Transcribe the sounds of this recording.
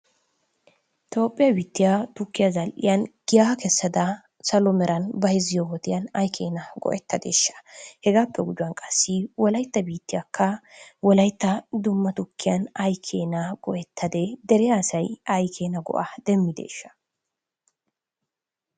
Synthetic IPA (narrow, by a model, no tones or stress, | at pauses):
ʔɪt̪o̞ːpʼːɪjɐbiːt̪ːɪjat̪ʊkːɪjazɐlʔɪ̰jɐnɡ̥ɪjakɛsːɐd̪ɐ | sɐlɔmɛɾɐnbɐjɪzɪjowɔt̪ɪjɐnɐjkʰeːnɐɡɔ̰ʔɛt̪ːɐd̪ḛːʃːɐ̥hɛɡaːpːɛɡʊd͡ʒʊwɐnkʼɐsːɪwɔlɐjt̪ːɐbiːt̪ːɪjɐkʰːɐwɔlɐjt̪ːɐd̪ʊmːɐt̪ʊkːɪjɐnɐjkʰeːnɐɡ̥ɔʔɛt̪ʰːɐd̪ed̪ɛɾɛjaːsɐjɐjkʰeːnɐɡɔ̰ʔad̪̥ɛmːɪd̪ḛːʃːɐ̥